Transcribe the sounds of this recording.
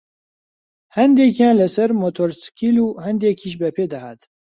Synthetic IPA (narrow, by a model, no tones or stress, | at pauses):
hɛnd̪eːkiãːnlɨsɛɾmot̪ʰoːɾskʰiluːhɛnd̪ekʰiʒbɛpʰeːd̪ɐha̰ːt̪